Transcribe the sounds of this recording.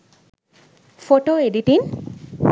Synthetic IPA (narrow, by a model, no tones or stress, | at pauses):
foʈoediʈin